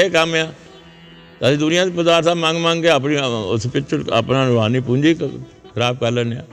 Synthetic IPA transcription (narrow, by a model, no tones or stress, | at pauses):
eːkəmeãː | t̪aːsĩːd̪ʊnɪjãːd̪iːpəd̪aːɾsaːmãŋɡmãːŋɡɡeəpniʊ̰spɪt͡ʃʰəə̰pnãːʊʋaːniːpuɲd͡ʒiː | kʰəɾaːb̚kəɾlənã̰ː